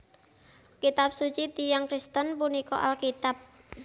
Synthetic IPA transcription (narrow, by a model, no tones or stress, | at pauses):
kit̪ap̚sut͡ʃit̪ijaŋkɾist̪ənpunikɔ̰ʔa̰lkit̪ap̚